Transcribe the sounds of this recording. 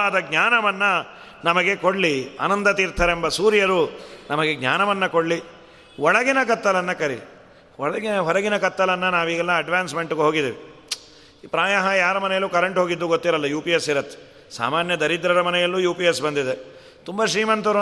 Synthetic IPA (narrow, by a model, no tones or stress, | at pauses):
ad̪ɐɡɲaːnɐʋɐnːɐ | nɐmɐɡe̞koɽlia̰ːnɐnd̪ɐt̪iɾt̪ʰɐɾembɐsuːɾjɐɾunɐmɐɡe̞ɡɲʲaːnɐʋɐnːɐkoɽli | ɔɭɐɡinɐkɐt̪ːɐlɐnːɐkɐɾili | ɔɭɐɡɦɔlɐɡinɐkɐt̪ːɐlɐnːɐnaːʋiːɡɛlːɐːɖʋaːnsme̞ɳʈuɡeɦoːɡid̪eːʋiː | pɾaːjɐɦɐjaːɾɐmɐnɛjɐlːuːkɐɾeɳʈɦoːɡid̪ːuɡot̪ːiɾɐlːɐjuːpijesːiɾɐt̪ʰːe̥ | sa̰ːmaːnjɐd̪ɐɾid̪ɾɐɾɐmɐnɛjɐlːuːjuːpijesbɐnd̪id̪e | t̪umbɐʃɾiːmɐnt̪uɾu